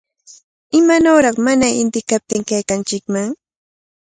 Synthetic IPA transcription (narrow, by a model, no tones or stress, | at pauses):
ɪmanoːɾɑχmanaɪnt̪ɪkap̚t̪ɪŋkajkant͡ʃɪkmaŋ